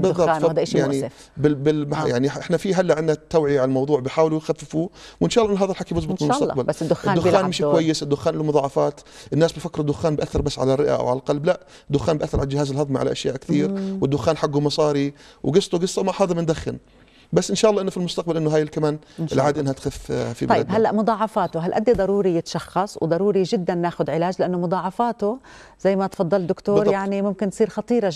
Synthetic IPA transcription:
bɨððˤːɑbtfjaʕni | bɪbɪlmjaʕniʔɪħnafiɦalːaʔʕɪnːat̪ːawʕɪjaʕalalmɑwðˤuːʕbɪħaːwlujxafːɪfuwʔɪnʃɑːʔlːʔɪnːʊɦaːðalħakibʊs̬ˤbɨt̪ˤmlmst̪aqbalːʊʔɪd̪ːʊxːaːnmɪʃkwajːɪsɪd̪ːʊxːaːnʔɪlːumʊðˤɑːʕɑfɑːt̪ʔɪnːaːsbɪfakːɾd̪ːʊxːaːnbʔaθːɑɾˤbasːʕa̰larˤːɪʔa̰ʔa̰wʕalalqɑlblaʔ | d̪ːʊxːaːnbɪʔaθːɑɾʕalald͡ʒɪhaːzɪlhɑðˤmaʕa̰la̰ʔa̰ʃja̰ːʔkθiːɾwɪd̪ːʊxaːnħaɡːumɑsˤɑːɾiwɡɨsˤt̪ˤʊɡɨsˤːɑmaħɑːðˤɨmand̪axːɪ̰n | basːʔɪnʃaːʔlːɑːʔɪnːʊfilmʊst̪aqbalʔɪnːʊɦaːjɪlkamaːn | ʔɪlʕaːd̪iʔɪnːhat̪xɪffḭb̪ajːdɪbhalːaʔmʊd̪ˤɑːʕɑfaːt̪ʊɦalʔad̪ːid̪ˤɑɾˤuːɾijɪt̪ʃɑxːɑsˤwd̪ˤɑɾˤuːɾiʒɪd̪ːanːaːxʊd̪ʕɪlaːd͡ʒlɪʔanːʊmʊd̪ˤɑːʕɑfaːt̪ʊ | z̥ajːmat̪fɑd̪ˤːɑld̪ːʊkt̪oːɾˤjaʕnimʊmkɪnːsˤiːɾxɑt̪ˤiːɾɑ

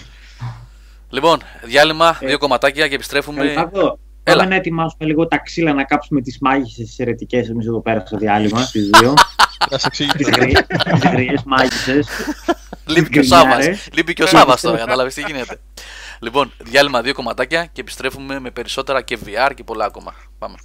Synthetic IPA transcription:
lipo̞n | ðʝɐlimɐðio̞ko̞mɐt̪ɐcɐcepist̪ɾe̞fumeɐo | elɐnɐet̪imɐsumeliɣo̞t̪ɐksilɐnɐkɐpsume̞t̪izmɐʝisest̪i̥seɾet̪ice̞semisiðo̞peɾɐst̪oðiɐlimɐst̪izðioɐseksiʝt̪izɾiizɣɾiesmɐʝises | lipiosɐɐɾseslipiceo̞sɐvɐst̪okɐt̪ɐlɐvist̪iʝine̞t̪e̞ | lipo̞nðʝɐlimɐðio̞ko̞mɐt̪ɐcɐcepi̥st̪ɾe̞fume̞me̞pe̞ɾiso̞t̪e̞ɾɐceviɐɾce̞po̞lɐːko̞mɐ̰ | pɐme

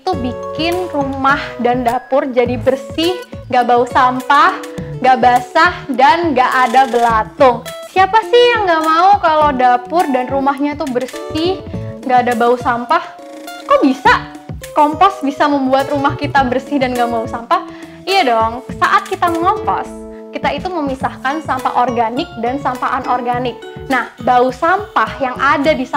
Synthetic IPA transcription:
it̪ubikɪnrumahdandapʊrd͡ʒadibərsɪhŋɡaʔbausampahŋɡaʔbasahdanɡaʔadabəlat̪ʊŋsiapasɪhjaŋɡaʔmaukalodapʊrdanrumaɦɲait̪ubərsɪhŋɡaːdabausampah | kawbisa | kɔmpɔsbisaməmbuat̪rumahkit̪abərsɪhdanɡamausampah | ijadɔŋsaʔat̪̚kit̪aməŋɔmpɔ̰s | kit̪ait̪uməmisahkansampa̰ʔɔrɡanɪk̚dansampaʔanʔɔrɡanɪk̚nahbausampahjaŋadadis

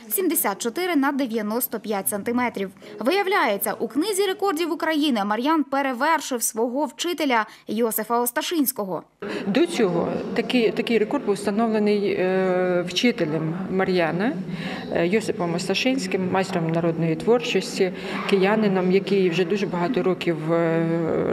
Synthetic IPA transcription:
sʲimd̪esʲat̪̚t͡ʃɔt̪ɪɾɪnɐd̪eʋʲjɐnɔst̪ɔpʲjatʲsɐnt̪ɪmɛt̪ɾʲiwʋɪjɐwlʲajet͡sʲːɐ̰ʔuknɪzʲiɾe̞kɔrdʲiwʊkɾɐjinɪmɐɾʲjanpeɾeʋɛrʃɪwsʋɔɦɔwt͡ʃɪt̪elʲɐjɔsɪfɐɔst̪ɐʃɪnʲsʲkɔɦɔ̰ | d̪ɔt͡sʲɔɦɔ̰t̪ɐkɪjt̪ɐkɪjrekɔrd̪̚buwst̪ɐnɔʋlˠenɪj | wt͡ʃɪt̪elʲɐmːɐɾʲjɑnɐ | jɔsɪfɔmɔst̪ɐʃɪnʲsʲkɪmːajsʲt̪ɾɔmnɐɾɔd̪nɔjit̪ʋɔrt͡ʃɔsʲtʲi | kejanɪnɔmjɐkɪjwʒɛd̪uʒɛbɐɦɑt̪ɔɾɔkʲiw

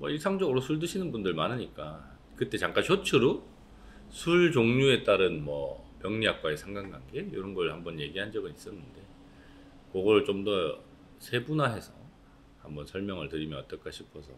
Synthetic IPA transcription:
mwʌiɭsʰaŋd͡ʑʌɡɯɾosʰuɭdɯɕʰinɯnbundɯɭmanɯɲik͈a | kɯt͈e̞t͡ɕaŋk͈ançʰot͡ɕʰɯɾu | sʰuɭd͡ʑoŋɲue̞t͈aɾɯnmʌpjʌŋɲiak̚k͈waesʰaŋɡaŋɡanɡe̞jo̰ɾʌnɡʌɾɯɭhambʌnje̞ɡiɦand͡ʑʌɡɯnis͈ʌnːɯnde̞ | kʌɡʌɾɭt͡ɕomdʌ | sʰe̞bunaɦe̞sʰʌ | hambʌnsʰʌɭmjʌŋɯɭtɯɾimjʌnʌt͈ʌk͈aɕʰipʰʌsʰʌ

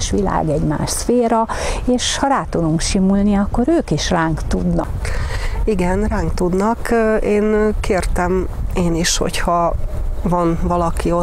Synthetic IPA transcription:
ʃʋila̰ːɡɛɟma̰ːʃsfeːɾɒ | eːʃhɒɾaːt̪ud̪uŋkʃimulniɒkːo̞ɾøːkiʃraːŋkt̪ud̪nɒ̰k | iɡɛnraːŋkt̪ud̪nɒkeːnkeːrt̪ɛmeːniʃho̞̰chɒ | vɒnvɒlɒkio

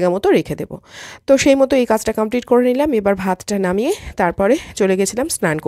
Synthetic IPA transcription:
ɡamɔt̪oɾekʰed̪ebo̰t̪oʃejmɔt̪oejkad͡ʑʈakampliʈkoɾenilamebaɾbʱat̪ʈanamijet̪aɾpɔɾet͡ɕoleɡet͡ɕʰilamsɾanko

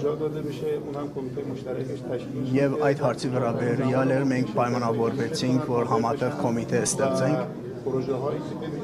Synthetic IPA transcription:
ʒɑd̪ɑd̪ɛməʃɛunhɑmkʰɔmit̪ʰɛməʃt̪ɾɛ | jɛvɑjt̪hɑɾt͡sʰivəɾɑbɛɾjɑlɛɾmɛŋkʰpɑjmɑnɑvɔɾvɛt͡sʰiŋkʰvɔɾɦɑmɑt̪ɛʁkʰɔmit̪ʰɛst̪ɛʁt͡sɛŋkʰ | ɔɾɔʒɦɑj

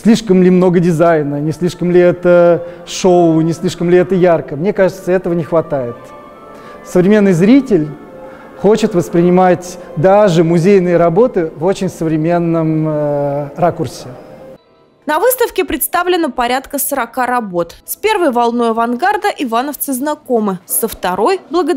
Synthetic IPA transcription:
sʲlʲiʂkəmlʲɪmno̞ɡədʲɪzajnənʲɪsʲlʲiʂkəmlʲɪɛt̪əʂoʊnʲɪsʲlʲiʂkəmlʲɪɛt̪əjarkəmnʲe̞kaʐɨt̪səɛt̪əvənʲɪxvɐt̪ajɪt̪ | səvɾʲɪmʲe̞nːɨjzɾʲitʲɪlʲ | xo̞t͡ɕɪt̪vəspɾʲɪnʲɪmatʲd̪aʐɨmʊzʲejnɨjəɾɐbo̞t̪ɨvo̞t͡ɕɪnʲsəvɾʲɪmʲe̞nːəm | rakʊrsʲɪ | nɐvɨst̪əfkʲɪpɾʲɪt̪st̪avlʲɪnəpɐɾʲat̪kəsəɾɐkaɾɐbo̞t̪spʲe̞rvəjvɐlˠno̞jɐvɐnɡard̪əʔɪvanəft̪sɨznɐko̞mɨsəft̪ɐɾo̞jblˠəɡə

